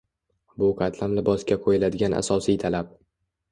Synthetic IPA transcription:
bʊqʰɑt̪ʰlamlɪbɒskʲaqʰojɪlad̪ɪɡʲana̰sɒsijt̪ʰalap̚

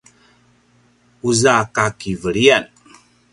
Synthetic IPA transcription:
uzakakivəɭian

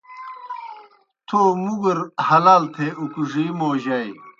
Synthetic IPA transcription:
t̪ʰoːmuɡɐɾhɐlaːlt̪ʰeukuʐimoːʑaj

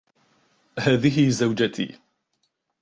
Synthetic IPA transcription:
haːðɪɦɪzawd͡ʒat̪ḭː

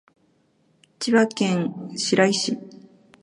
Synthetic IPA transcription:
t͡ɕiβakẽ̞ɰ̃ɕiɾaiɕi

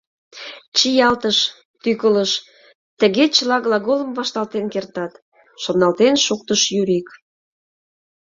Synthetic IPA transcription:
t͡ɕijɑlt̪əʃ | t̪ykələʃ | t̪ə̆ɣet͡ɕəlɑɣlɑɣolə̆mvɑʃt̪ɑlt̪enkert̪ɑt̪ | ʃonɑlt̪enʃuk̚t̪əʃjyɾik

